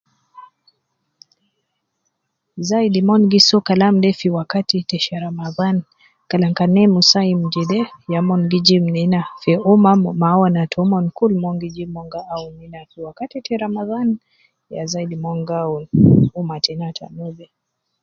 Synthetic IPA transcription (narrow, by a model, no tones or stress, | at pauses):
zaidimɔnɡisɔkalamdɛfiwakatitɛʃaɾamaðan | kalaŋkanɛmusaim̩d͡ʒɛdɛjamɔŋɡid͡ʒim̩ninafɛɔmamawanatʰɔmɔnkulmɔŋɡid͡ʒimɔŋɡaauninafiwakatitʰɛɾamaðan | jazaidimɔŋɡaunumatɛnatʰa̰nuvɛ